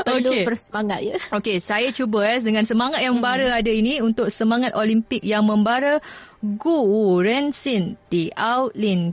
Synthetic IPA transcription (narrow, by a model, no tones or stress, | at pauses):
oluebərsəmaŋat̪̚jaokesajat͡ʃubəsdəŋãnsəmaŋat̪̚jaŋməmbaɾəadainĩunt̪ʊk̚səmaŋat̪̚olimpɪk̚jaŋmə̃mbaɾə | ɡuːɾɛnsind̥iawt̪lin